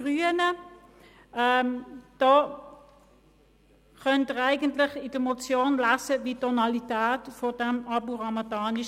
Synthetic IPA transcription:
ʁyːənə | ɛd̥ɔː | χœntəʁaɪɡəntlɪχɪd̥əmot͡sjoːnlasəvitɔnalitæːtfodɛmɑbuʁɑmataːnɪʃ

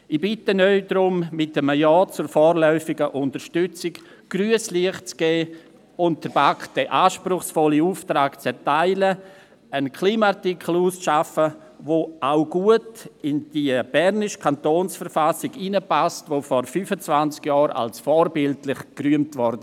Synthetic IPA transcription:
ɪbɪtənœʏdɾʊmmɪt̚əməjɑːt͡sʊɾfɔːrlœʏfɪɡəʔʊntəɾʃtʏt͡sɪk | ɡ̥ryəsliəχt͡sɡ̥ɛː | ʊnt̚dəɾbakd̥ɛʔaːʃpɾʊχsfɔliuːftɾaːkt͡sɛɾtaɪlə | ənkʰliːmaatikʰl̩uːsʃafə | voʔaʊɡ̥uətɪnd̥iəb̥ɛɾnɪʃkʰantoːnsfəɾfasɪɡinəpastvofɔɾfyfət͡svant͡skjɑːɾa̰lsfɔːɾbɪltlɪχkryəmtvɔɾdə

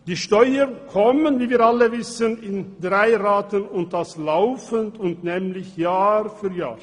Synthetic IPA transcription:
d̥iːʃtɔʏənkʰɔmənviːviːɾaləvɪsənɪndʁaɪʁaːtənʊnt̚d̥aslaʊfəntʊntnɛːmlɪçjaːɾfyːɾja̰ːɾ

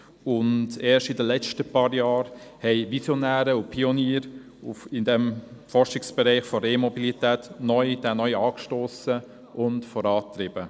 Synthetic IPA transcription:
ʊndɛːʃtɪdəlɛt͡stəpʰɑːɾjɑːɾhɛɪʋisjɔnæːɾəʊpʰioniːɾ | ʊfɪndɛmfɔɾʃɪksb̥ɛɾæɪχfɔɾemɔbilitɛːtnɔʏd̥ɛːnɔʏɑːkʃtoːsə | ʔʊntfɔɾɑːt̪ɾɪbə

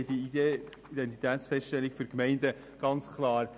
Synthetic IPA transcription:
di | id̥ɛnt̪it̪ʰæːtsfɛstʃtɛlːikfyɾkmɛɪndə | ɡ̥ɑnt͡skʰlɑːɾ

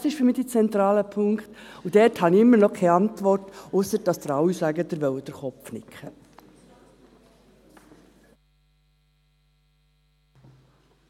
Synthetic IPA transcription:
sɪʃfʏɾmiːd̥̪it͡sɛnt̪ɾɑːləpʰʊŋkχt̪ud̥̪ɛrthɑniɪmːəɾnɔkʰɛjɑntʋɔrtʊsəɾd̥ɑsd̪əɾɑwːisæɡəd̥̪əɾʋœwəd̥əɾχɔpfnɪkʰχə

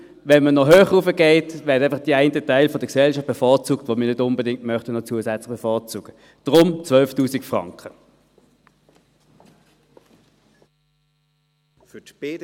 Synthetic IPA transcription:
vɛnmənɔɦøːχufəɡeɪtvɛːdəaɪfɑχd̥iaɪntətaɪlfɔdəksɛlʃɑft̚b̥efɔːʁt͡suːk̚tvomiːɐnʏdʊmbədɪŋ̚tmœχtənɔt͡suəsɛt͡slɪχb̥efɔːɐt͡suːɡ̥ə | d̥ʁʊmt͡svœlftuːsikfʁɑ̰ŋkχə | fytb̥eːd

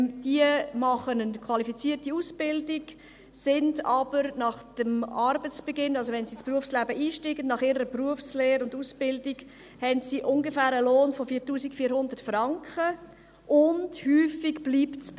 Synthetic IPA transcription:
d̥iəmɑχənənkʰwɑlifit͡siːərtiuːsbɪldɪɡ | sɪndɑb̥əɾnɑχd̥əmɑɾbət͡sb̥eɡɪnːɑlzoʋɛnsiːspruəfslæbəʔiːʃtiːɡənnɑχɪɾəɾəpruəfsleːɾʊnduːsb̥ɪldiɡ | hɛntsiʔʊŋɡefæːɾəloːnfofiːɾtuːsikfiːɾhʊndətfrɑŋkχə | ʔʊndhyːfiɡb̥liːptt͡sb

